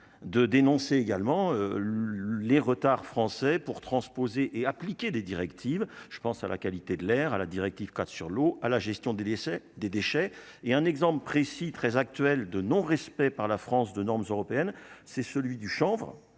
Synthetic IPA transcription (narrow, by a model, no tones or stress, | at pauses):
d̪əd̪enɔ̃seːɡalmɑ̃ø | leʁət̪aʁfχɑ̃sɛpuʁt̪χɑ̃spozeʔeaplikʲed̪ed̪iʁɛkt̪ʰivʒ̥ə̥pɑ̃sala̰kalit̪ed̪əlɛʁala̰d̪iʁɛk̚t̪ivkat̪syʁloalaʒɛst̪jɔ̃d̪ed̪esɛd̪ed̪eʃɛeɛ̃nɛɡzɑ̃pləpχesit̪χɛzak̚t̪ɥɛld̪ənɔ̃ʁɛspɛpaʁlafχɑ̃sd̪ənɔʁmzøʁɔpeɛnsɛsəlɥid̪yʃɑ̃vʁ